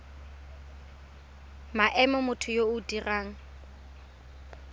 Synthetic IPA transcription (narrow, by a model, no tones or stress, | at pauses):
maʔɛmɔmʊtʰʊjoʊdiraːŋ̩